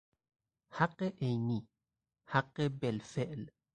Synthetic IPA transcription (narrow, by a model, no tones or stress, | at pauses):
haqːɛʔɛjni | haqːɛbɛlfɛʔl